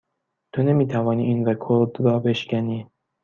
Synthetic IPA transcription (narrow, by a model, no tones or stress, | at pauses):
t̪ʰone̞miːt̪ʰævɒːniːʔinɾekʰoɾd̪ɾɒːbe̞ʃkʲæniː